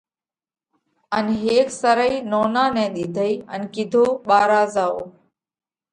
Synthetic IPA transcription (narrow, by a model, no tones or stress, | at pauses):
ənɦeːksəɾəiːnoːnãːnɛ̃ːɗ̪iːd̪ʱəiːə̰nkɪd̪ʱoːɓaːɾaːzaːoː